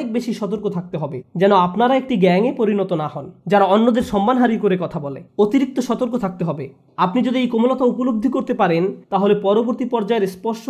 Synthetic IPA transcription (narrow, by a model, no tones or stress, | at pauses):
ek̚beʃiʃɔt̪oɾkot̪ʰak̚t̪eɦɔbed͡ʑɛnoapnaɾaek̚ʈiɡɛŋepoɾinɔt̪onahɔnd͡ʑaɾaonːod̪eɾʃɔmːanɦaɾikoɾekɔt̪ʰabɔlḛot̪iɾik̚t̪oʃɔt̪oɾkot̪ʰak̚t̪eɦɔbe | apnid͡ʑod̪iejkomulot̪aupolob̚d̪ʱikoɾt̪epaɾent̪aɦolepɔɾoboɾt̪ipɔɾd͡ʑaeɾspɔɾʃo